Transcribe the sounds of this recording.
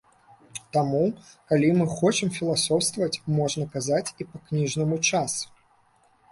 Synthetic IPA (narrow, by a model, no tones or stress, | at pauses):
t̪amukalʲimɨxɔt͡ʂɨmfʲilˠasɔwst̪vɐt͡sʲmɔʐnɐkazat͡sʲipɐknʲiʐnɨmut͡ʂas